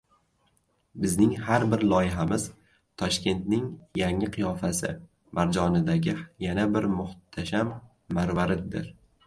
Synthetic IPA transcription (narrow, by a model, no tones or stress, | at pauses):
bɪznɪŋhaɾbɪɾlˠɒjɪɦamɪz̥ | t̪ʰɒʃkʲe̞nt̪̚nɪŋjaŋːɪqʰɨjɒfasɪ | maɾd͡ʒɒnɪd̪aɡʲɪjanabɪɾmʊht̪ʰaʃamː | aɾvaɾɪd̪ɪ̰ɾ